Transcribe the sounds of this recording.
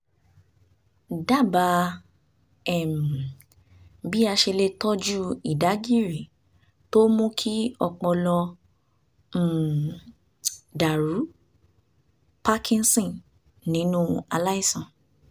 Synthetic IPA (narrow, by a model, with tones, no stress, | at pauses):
da˦˨ba˨˧˦ | ɛ˨m̩˨ | bi˦a˧ʃe˧le˧tɔ˦d͡ʒu˦i˨da˨˦ɡi˦ɾi˨ | to˦mũ˦kʰi˦ɔ˧k͡pɔ˧lɔ˧˨ | da˨ɾu˨˦ | pa˦kʰĩ˦nsɔ̃˦˨n | nĩ˨˦nũ˦a˧la˦i˦˨sɔ̃˨